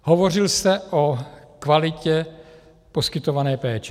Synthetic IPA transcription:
ɦovor̝ɪlsɛʔokvalɪcɛ | poskɪt̪ovanɛːpɛːt͡ʃɛ̥

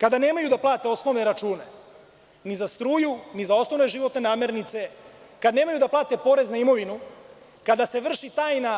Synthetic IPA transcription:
kad̪ane̞ːmajud̪aplˠaːt̪e̞o̞sno̞ʋne̞ɾat͡ʃuːne̞ | nizast̪ɾuːjunizao̞sno̞ʋne̞ʒiʋo̞t̪ne̞naːme̞ɾnit̪se̞ | kad̪neːmajud̪aplˠaːt̪e̞po̞ːɾe̞znaimo̞ʋinu | kad̪ase̞ʋr̩ʃit̪aːjna

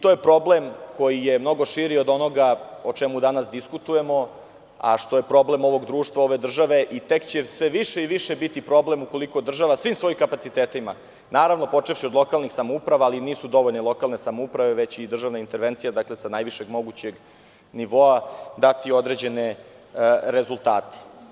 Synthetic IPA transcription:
it̪ojepɾo̞ble̞mkojijemno̞ɡoʃiɾiod̪o̞no̞ɡaot͡ʃemud̪anasd̪iskut̪uje̞mo̞ | a̰ʃt̪o̞je̞pɾo̞ble̞mo̞ʋo̞ɡd̪ɾuːʃt̪vao̞ʋe̞d̪r̩ʒaʋe̞ʔit̪e̞kt͡ɕesʋe̞ʋiʃeiʋiʃebit̪ipɾo̞ble̞muko̞liko̞d̪r̩ʒaʋasʋiːmsʋo̞jimkapat̪sit̪eːt̪ima | naːɾaʋno̞po̞t͡ʂefʃiod̪lˠo̞kalnixsamoupɾaʋaːliniːsud̪o̞ʋo̞ʎnelˠo̞kalˠne̞samoupɾaʋe̞ʋet͡ɕid̪r̩ʒaʋnaint̪eɾʋent̪sijad̪akle̞sanajʋiʃe̞ɡmo̞ɡut͡ɕe̞ɡ | niʋo̞ad̪at̪io̞d̪ɾe̞d͡ʑe̞ne | ɾezulˠt̪aːt̪e̥

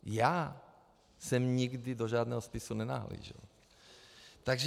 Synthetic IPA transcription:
jaː | sɛmɲɪɡdɪdoʒaːdnɛːɦospɪsunɛna̰ɦlḭːʒɪ̰l | t̪aɡʒ

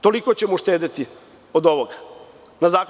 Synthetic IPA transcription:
t̪olikot͡ɕemoʃt̪eːd̪et̪i | od̪oʋoɡa | nazaːk

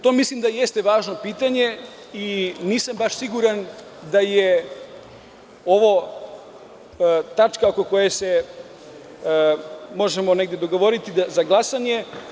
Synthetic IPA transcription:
t̪oːmislimd̪aje̞st̪e̞ʋaːʒno̞piːt̪aɲe̞ | iniːsambaʃsiɡuɾan | d̪aje | o̞ʋo | t̪at͡ʃkaoko̞ko̞jese̞ | mo̞ʒemone̞ɡd̪jed̪o̞ɡo̞ʋo̞ɾit̪izaɡlˠasaɲe̞

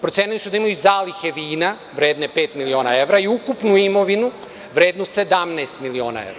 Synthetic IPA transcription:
pɾot̪eːnilisud̪aimajuzaːlixeʋiːna | ʋɾe̞ːd̪nepe̞ːt̪milio̞ːnae̞ʋɾaiukupnuimo̞ʋinu | ʋɾe̞ːd̪nuse̞d̪amnaːst̪milio̞ːna̰e̞̰ɾa

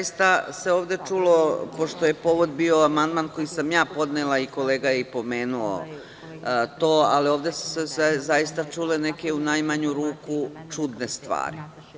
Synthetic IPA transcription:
jist̪ase̞oːʋd̪e̞t͡ʂulo̞po̞ʃt̪o̞je̞po̞ʋod̪̚bio̞amand̪manko̞jisamjaːpo̞d̪nelaiko̞le̞ːɡajeipo̞me̞ːnuo̰ | t̪o̞ːalio̞ːʋd̪e̞su̥seszajist̪at͡ʂuːle̞ne̞ke̞unajmaɲuɾuːkut͡ʂud̪ne̞st̪ʋa̰ːɾḭ

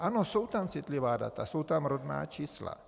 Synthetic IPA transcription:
anɔsuʊt̪amt͡sit̪liʋaːd̪a̰t̪asuːt̪amɾɔd̪na̰ːt͡ʃiːsla̰

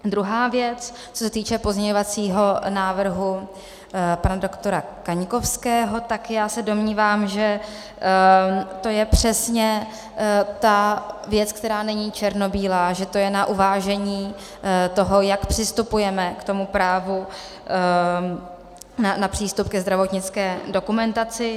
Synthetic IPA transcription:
d̪ɾuɦaːvjɛt͡s | t͡sosɛt̪iːt͡ʃɛpozɲɛɲovat͡siːɦo̞naːvr̩ɦu | panado̞kt̪o̞ɾakaɲko̞fskɛːɦo̞t̪akjaːsɛdo̞mɲiːvaːmʒɛ | t̪o̞jɛpr̝̥ɛsɲɛ | t̪avjɛt͡sk̚t̪ɛɾaːnɛɲiːt͡ʃɛɾno̞biːlaːʒɛt̪o̞jɛnaʔuvaːʒɛɲiː | t̪o̞ɦo̞jakpr̥ɪst̪upujɛmɛkt̪o̞mupɾaːvu | nanapr̥iːst̪up̚kɛzd̪ɾavo̞t̪ɲɪt͡skɛːdo̞kumɛnt̪at͡sɪ

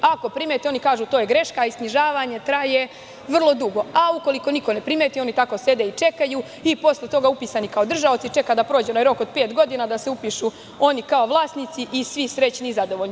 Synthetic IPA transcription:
ako̞pɾimet̪eo̞nikaːʒuːt̪oːjeɡɾe̞ʃkaiskniʒaːʋaɲe̞t̪ɾaje̞ | ʋr̩lˠo̞d̪uɡo̞auko̞liko̞niko̞ne̞pɾimet̪io̞nit̪ako̞se̞d̪eit͡ʃe̞kaju | ipo̞slet̪o̞ɡaupiːsanikaod̪r̩ʒaot̪sit͡ʃe̞kad̪apɾo̞ːd͡ʑeonajɾo̞kod̪̚pe̞ːt̪ɡo̞d̪iːnad̪ase̞upiʃu | o̞nikao̞ʋlˠaːsnit̪siʔisʋisɾe̞t͡ɕnizad̪o̞ʋolni

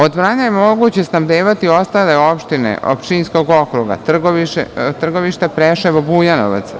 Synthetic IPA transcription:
o̞d̪ʋɾaːnajemo̞ɡut͡ɕesnaʋd̪eːʋat̪io̞st̪aleo̞pʃt̪inḛʔo̰pt͡ʃinsko̞ɡo̞kɾuɡa̰t̪r̩ɡoʋiʃt̪r̩ɡo̞ʋiʃt̪epɾeʃeʋobuːjano̰ʋa̰t̪s

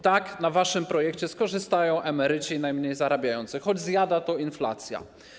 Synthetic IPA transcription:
t̪aknavaʂɘmpɾɔjɛkt͡ɕɛskɔʐɘst̪ajɔ̃w̃ʔamɛɾɘt͡ɕinajmɲejzaɾabʲajɔnt̪sɘxɔd͡ʑzjad̪at̪ɔinfla̰t̪sʲja̰

